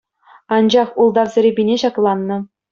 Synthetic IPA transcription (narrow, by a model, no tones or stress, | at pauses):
ɑnd͡ʑɑχulˠd̪ɑʋzʲɘ̆ɾʲĕbʲinʲeɕɑklˠɑnːɤ̆